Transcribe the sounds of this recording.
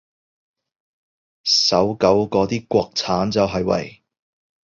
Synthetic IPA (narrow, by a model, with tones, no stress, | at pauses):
sɐ˨˥wkɐ˨˥wkɔː˨˥t̪iː˥kʷɔː˧k̚t͡sʰaː˨˥nt͡sɐ˨wɦɐ˨jwɐ̰˨˩j